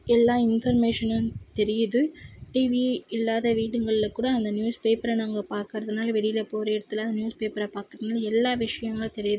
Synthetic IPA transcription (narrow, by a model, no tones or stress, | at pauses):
ɛlːaːɪnfɐɾmeːʂɐnɐt̪ɛɾɪjɐðɯʈiːʋiɪlːaːðɐʋiːʈɯŋɡɐɭɪlɐkːuːɽɐːnd̪ɐnjuːspeːpɐɾɐnaːŋɡɐpaːɾkɪɾɐðɐnaːlɐʋɛɽɪjɪlɐpoːɾɐɪɽɐt̪ːɪlɐnd̪njuːspeːpɐɾɐpaːɾkɪɾɐnaːlɐɛlːaːʋɪʂɐjɐŋɡɐɭɐt̪ɛɾɪjɐðɯ